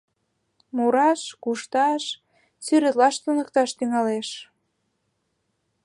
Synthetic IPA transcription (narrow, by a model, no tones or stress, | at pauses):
muɾɑʃkuʃt̪ɑʃ | syɾɘ̆t̪lɑʃt̪unək̚t̪ɑʃt̪yŋɑleʃ